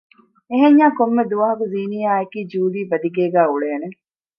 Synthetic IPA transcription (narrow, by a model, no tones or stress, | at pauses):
eɦeɲːaːkomːed̪uʋɐɦɐkuziːnijaːekiːd͡ʒuːd̪iːbɐd̪iɡeːɡæːuɭeːne